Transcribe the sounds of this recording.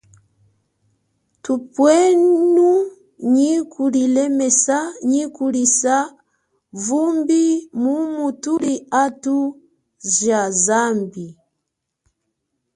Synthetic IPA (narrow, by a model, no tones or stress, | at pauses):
tupwɛnu | ɲikʰulilɛmɛsaɲikulisa | vumbimumutuliatu | ʒazambi